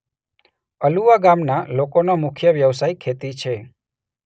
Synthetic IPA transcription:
əluʋaɡamnalokonomʊkʰjəʋjəʋsajkʰet̪it͡ʃʰe

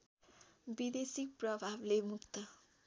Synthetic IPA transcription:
bid̪esik̚prʌbʱablemukt̪ʌ

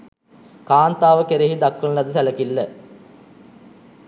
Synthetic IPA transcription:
kaːnt̪aːʋəkeɾeɦid̪akːənlɐd̪əsæləkilːə

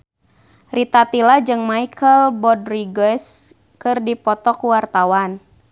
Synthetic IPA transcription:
rit̪at̪ilad͡ʒɨŋmaikʰəlbɔdriɡɛs | kɨrdipɔt̪ɔkuwart̪awan

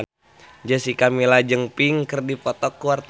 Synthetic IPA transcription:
d͡ʒəsikamilad͡ʒəŋpiŋkərdipɔt̪ɔkːuwart̪

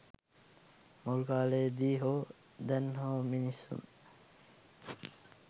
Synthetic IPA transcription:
mulukaːlejd̪iːɦoː | d̪ɛnɦoːminisṵn

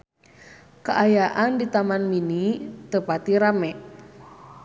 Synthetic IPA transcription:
kəʔajaʔandit̪amanminit̪əpat̪iɾamɛʔ

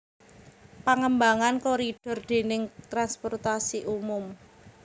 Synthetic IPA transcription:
paŋəmbaŋankoɾid̥ɔ̤rd̪̥e̤nɪŋt̪ɾanspɔrt̪asiʔumʊm

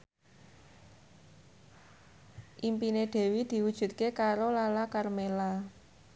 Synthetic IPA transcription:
ʔimpineɖ̪̥e̤wid̪̥i̤wud̥ʒ̥ṳt̪̚kekaɾolalakarmela

